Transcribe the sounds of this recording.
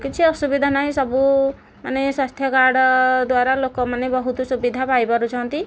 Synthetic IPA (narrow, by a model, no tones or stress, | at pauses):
kit͡ʃʰiɔsubid̪ʱanaɦisɔbu | manesast̪ʰjɔkaɾɽɔd̪waɾalokɔmanebɔɦut̪usubid̪ʱapajbaɾut͡ʃʰɔɔnt̪i